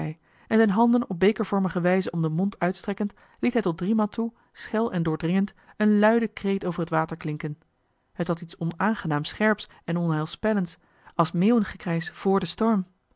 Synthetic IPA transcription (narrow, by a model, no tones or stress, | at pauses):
ɛj | ɛnzɛjnɦɑndənɔb̚bejkəɹv̥ɔɹməχəʋɛjzəɔmdəmɔntʰœɥtstrɛkənt | litɦɛjtɔd̚drimaltʰu | sχɛlˠɛndʊːɹdrɪŋənt | ənlœɥdəkrejtowvərɦətʋaːtəɹklɪŋkən | hətɦɑtitsɔnaːnχənaːmsχɛɹps | ɛnɔnɦɛlˠspɛlənts | ɑlˠsmeːwənχəkrɛjsv̥ʊːɹdəstɔɹm